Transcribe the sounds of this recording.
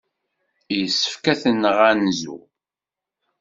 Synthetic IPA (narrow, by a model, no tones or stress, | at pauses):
jəsːə̥fkæθənːəʁænzṵ